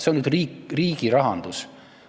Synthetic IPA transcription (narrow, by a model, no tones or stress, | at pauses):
seonyd̪riːkriːɡ̥iɾɑɦɑnd̪̥us